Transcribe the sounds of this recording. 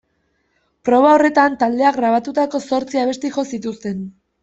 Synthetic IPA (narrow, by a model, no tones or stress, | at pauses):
pɾo̞β̞ao̞re̞t̪ant̪ald̪e̞aɡɣɾaβ̞at̪ut̪ako̞so̞ɾt͡siaβ̞e̞st̪iʝo̞sit̪ust̪e̞n